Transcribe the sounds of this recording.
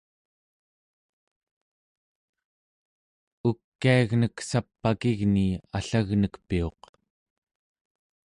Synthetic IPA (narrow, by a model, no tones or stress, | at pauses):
ukːiaɣnəksapːakiɣniaɬaɣnəkpio̞̰q